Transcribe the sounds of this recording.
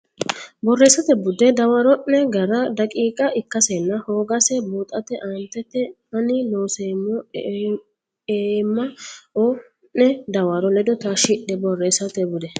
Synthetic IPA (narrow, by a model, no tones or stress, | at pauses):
bɔrːeːsːɐt̪ɛbʊd̪ɛd̪ɐwaɾɔʔːɛɡɐɾɐd̪ɐkʼiːkʼɐʔɪkːɐsɛnːɐhoːɡɐsɛbuːt̪ʼɐt̪ɛʔaːnt̪ːɛt̪ːɛ | ɐnɪloːsemɔ | emːɐɔ | ʔːɛd̪ɐwaɾɔlɛd̪ɔt̪ɐʃɪᶑɛbɔrːeːsːɐt̪ɛbʊd̪ɛ